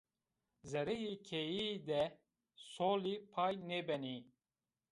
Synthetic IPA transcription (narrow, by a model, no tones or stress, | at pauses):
zɛɾɛjikʰejiːd̪ɛ | soːlipʰaːjnɛbɛni